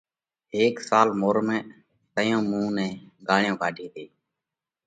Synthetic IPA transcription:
eːksaːlmoːɾmɛ̃ː | t̪əjõːmũːnɛ̃ːɡaːɳɪjõːkaːɖʱiːt̪eː

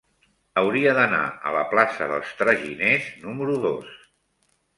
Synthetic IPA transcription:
əwɾiəðəna̰ə̰ləplasə̰ðə̰lˠst̪ɾəʒineznuməɾuðos

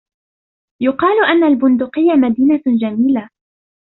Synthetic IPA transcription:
jʊqɑːlʊʔanːalbʊnd̪ʊqɪjːamad̪iːnad͡ʒamiːla

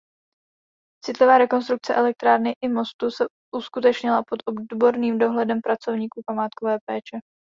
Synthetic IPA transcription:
t͡sɪt̪lɪvaːɾɛko̞nst̪ɾuk̚t͡sɛʔɛlɛk̚t̪ɾaːɾnɪʔɪmo̞st̪usɛ | ʔuskut̪ɛt͡ʃɲɪlapo̞t̪ʔo̞bdbo̞ɾniːmdo̞ɦlɛdɛmpɾat͡so̞vɲiːkuːpamaːt̪̚ko̞vɛːpɛːt͡ʃɛ

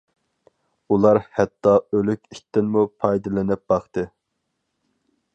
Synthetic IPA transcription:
ulˠɑɾhɛt̪ːɑølykʲiʃt̪ːɪnmupʰɑjd̪ɨlˠɪnɪp̚bɑχt̪ɨ

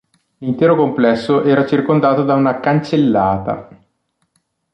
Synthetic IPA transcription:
lint̪ɛːɾokomplɛsːoʔɛːɾat͡ʃirkond̪aːt̪od̪aunakant͡ʃelːaːt̪a̰

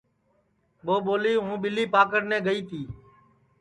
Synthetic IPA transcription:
ɓoːɓoːliːɦũːɓɪliːpaːkəɽnɛ̃ːɡəiːt̪ʰiː

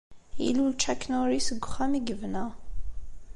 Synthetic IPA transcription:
jḭlult͡ʃækːnoɾisəɡʷχæmiɡəvnə

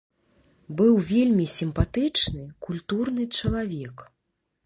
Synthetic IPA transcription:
bɨwvʲelʲmʲisʲimpat̪ɨt͡ʂnɨkulʲt̪urnɨt͡ʂɐlˠavʲɛk

